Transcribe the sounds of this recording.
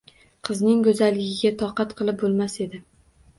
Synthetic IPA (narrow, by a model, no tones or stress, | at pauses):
qʰɨznɪŋkɵzalːɪɡʲɪɡʲat̪ʰɒqɑt̪qʰɨlˠɪp̚bolˠmase̞d̪ɪ